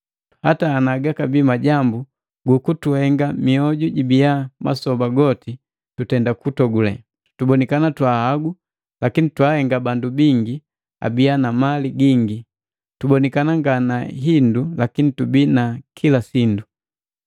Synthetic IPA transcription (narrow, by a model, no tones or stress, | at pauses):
hataːnaɡakabimaɟambu | ɡukutuhɛŋɡamiɔɟuɟibiama̰sɔbaɡɔti | tutɛndakutɔɡulɛ̰ | tubɔnɛkanatwahaɡu | lakinitwahɛŋɡabandubiŋɡi | a̰bianamaliɡiŋɡi | tubɔnɛkanaŋɡanaɦindulakinitubinakʰilasindu